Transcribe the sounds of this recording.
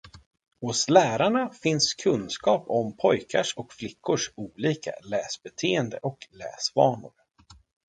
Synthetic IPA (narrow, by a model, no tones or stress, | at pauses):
hʊslæːɾaɳafɪnskʰɵnskɑːpɔmpʰɔjkʰaʂɔkflɪkʰːʊʂuːliːka̰lɛːsbɛt̪ʰeːɛnd̪ə̰ʔɔklɛ̰ːsvɑːɳʊ̰ɾ